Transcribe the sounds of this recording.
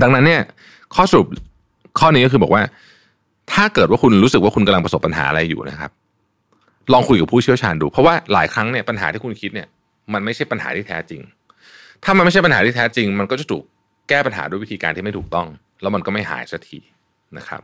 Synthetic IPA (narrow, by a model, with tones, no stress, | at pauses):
da˧ŋna˦˥nːi˥˩ɐ | kʰɔː˥˩sa˧ɾu˨˩p̚ | kʰɔː˥˩niː˦˥kɔː˥˩ɯː˧bɔ̰ː˨˩waː˥˩ | t̪ʰaː˥˩kɤː˨˩waː˥˩kʰu˧nɾuː˦˥sk̚waː˥˩ku˧nka˧mla˧ŋpa˧so˨˩pːa˧nɦa̰ː˩˦ʔa̰˧ɾa˧jːṵː˨˩na̰˦˥kʰa˦˥p̚ | lɔː˧ŋkʰu˧jka˨˩pʰuː˥˩t͡ɕʰi˥˩ət͡ɕʰaː˧nduː˧pʰɾɔ˦˥waː˥˩la̰ː˩˦jkʰɾa˦˥ŋni˥˩ɐpa˧nɦa̰ː˩˦t̪iː˥˩ku˧nkʰi˦˥t̪̚ni˥˩ɐ | ma˧nma˥˩jʰt͡ɕʰa˥˩jpa˧nha̰ː˩˦t̪ʰiː˥˩t̪ʰɛː˦˥t͡ɕi˧ŋ | t̪ʰaː˥˩a˧nma˥˩jʰt͡ɕa˥˩pa˧nhaː˩˦t̪ʰiː˥˩t̪ʰɛː˦˥t͡ɕi˧ŋma˧nkɔ˥˩t͡ɕa˨˩t̪ʰuː˨˩k̚ː | ɛː˥˩pa˧nɦa̰ː˩˦duː˥˩˨jwi˦˥t̪ʰiː˧kaː˧nt̪ʰiː˥˩a˥˩jt̪ʰuː˨˩k̚t̪ɔ˥˩ŋ | lɛː˦˥wma˧nkɔː˥˩ma˥˩jɦa̰ː˩˦jsa˧˦t̪ʰḭː˨˩ | na˦˥kʰa̰˦˥p̚